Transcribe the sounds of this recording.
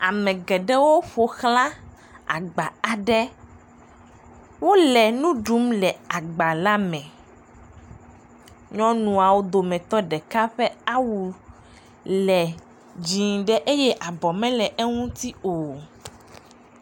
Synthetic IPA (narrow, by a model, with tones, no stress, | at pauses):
a˨mɛ̃˨ɡɛ˨ɖɛ˦wo˦ɸo˨xlã˦ | a̰˨ɡ͡ba˨a˨ɖɛ˦ | wo˦lɛ˨nũ˦ɖu˨˦mlɛ˨a˨ɡ͡ba˨la˦mɛ̃˨ | ɲɔ̃˦nũ˨a˨wo˦d̪o˨mɛ̃˨t̪ɔ˦ɖɛ˨ka˦ɸɛ˦a˦wu˨ | lɛ˨ | d͡ʑĩ˨ŋɖɛ˦ʔe˦jɛ˦ʔa˨bɔ˨mɛ̃˦lɛ˨ʔɛ˦ŋũ˦t̪i˦o˨